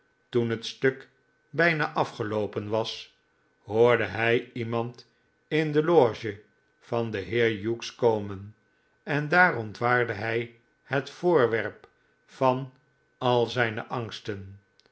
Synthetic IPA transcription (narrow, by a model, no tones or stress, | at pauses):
tunɦətstøk | bɛjnaʔɑfχəlowpənʋɑs | ɦʊːɹdəɦɛjimɑnt | ɪndəloːʒə | fɑnd̪əɦɪːɹjukskowmən | ɛndaːrɔntʋaːɹdəɦɛj | hətfoːɹʋɛɹp | fɑn | ɑlˠzɛjnəʔɑŋstən